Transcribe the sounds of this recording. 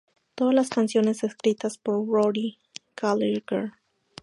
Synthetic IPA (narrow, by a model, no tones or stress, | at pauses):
t̪oðazlaskansjo̞ne̞seskɾit̪aspoɾɹoɾi | kʰaliɡeɾ